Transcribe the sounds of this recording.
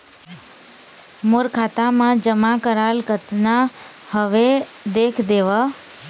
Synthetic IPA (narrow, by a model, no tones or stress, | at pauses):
moɾkʰat̪amãd͡ʒəmakəɾalkət̪na | həʋe | d̪ekʰd̪eʋə